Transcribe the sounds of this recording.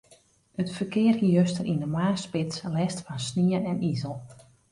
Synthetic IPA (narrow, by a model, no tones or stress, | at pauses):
ətfərkɪːərhiøstərʔindəmaːspɪt͡slɛstfɔnsniənɛnizəlˠ